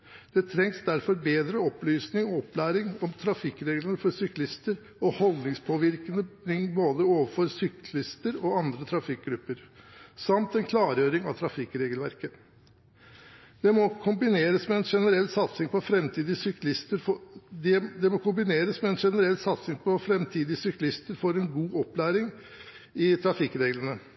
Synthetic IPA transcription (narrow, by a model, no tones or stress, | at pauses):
d̪̥ɛt̪ʰɾɛŋsd̪æɾfɔɾbeːd̪ɾəɔplyːsnɪŋɔɔpːlæːɾɪŋɔmt̪ʰɾɑfɪkːɾeːɡlənəfɔɾsʏklɪst̪əɾ | ɔhɔld̪nɪŋspʰoːʋɪɾkənənɪŋboːd̪əoːʋəɾfɔɾsʏklɪst̪əɾɔɑnd̪ɾət̪ʰɾɑfɪk̚ɡɾʉpːəɾsɑmt̪ɛnkʰlɑːɾjøːɾɪŋɑ̰t̪ʰɾɑfɪkːɾeːɡəlʋæɾkə | d̪̥ɛmɔkʰʊmbɪneːɾəsmɛɛnʂɛnəɾɛlːsɑt̪sɪŋpʰɔfɾɛmt̪ʰiːd̪ɪsʏklɪst̪əɾd̪d̪ɛmɔkʰʊmbɪneːɾəsmɛɛnʂɛnəɾɛlːsɑt̪sɪŋpʰɔfɾɛmt̪ʰiːd̪ɪsʏklɪst̪əɾfɔɾɛnɡuːʔɔplæːɾɪŋ | ɪt̪ʰɾɑfɪkɾeːɡlənə